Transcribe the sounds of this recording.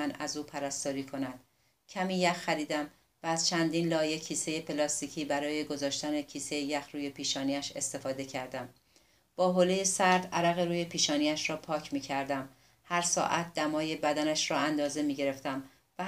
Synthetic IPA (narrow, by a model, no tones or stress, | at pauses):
ænæ̰zuːpʰæɾæst̪ɒːɾiːkʰo̞næd̪̥ | cʰæmiːjæxxæɾiːd̪æm | væːz̥t͡ʃʰænd̪iːnlɒːje̞cʰiːse̞je̞pʰelɒːst̪iːcʰiːbæɾɒːje̞ɡo̞zɒːʃt̪æne̞cʰiːse̞jejæxɾuːje̞pʰiːʃɒːniæʃe̞̰st̪e̞fɒːd̪e̞cʰæɾd̪æm | b̥ɒːɦolejesæɾd̪æɾæɣeɾuːje̞piːʃɒːniæʃrɒːpʰɒːcʰmiːcʰæɾd̪æm | hæɾsɒ̰ːʔæt̪̚d̪æmɒːje̞bæd̪ænæʃɾɒːænd̪ɒːze̞miːɟe̞ɾe̞ft̪æm | væ